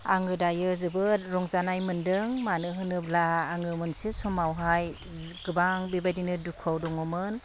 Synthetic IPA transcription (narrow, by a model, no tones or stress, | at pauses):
a̰ŋɯdajɯzɯbɯɾɔŋzanajmɯndɯŋmanɯɦɯnɯp̚laːŋɯmɯnsisumawɦaj | ɡɯbaŋbibajdinɯdukʰawdɔŋɔmɯn